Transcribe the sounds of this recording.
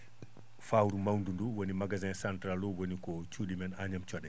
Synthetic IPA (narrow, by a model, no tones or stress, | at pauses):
fawɾumawndunduwonimaɡazɛ̃nsantɾalːɔwonikɔt͡ʃuɗimɛnaɲamt͡ʃɔɗɛ